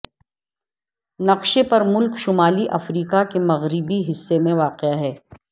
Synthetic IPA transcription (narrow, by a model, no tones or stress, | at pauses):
nɐqʃepɐɾmʊlkʃʊmaːliʔɐfɾiːkakemɐɣɾɪbiɦɪsːemẽʋaːqɪaɦɛː